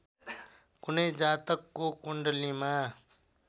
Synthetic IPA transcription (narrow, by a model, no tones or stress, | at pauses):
kʊneːd͡ʒaːt̪əkːoːkʊɳɖliːmaː